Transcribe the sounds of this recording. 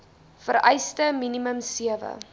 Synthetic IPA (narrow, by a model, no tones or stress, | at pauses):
fəɾɛjstəminiməmsiəvə̰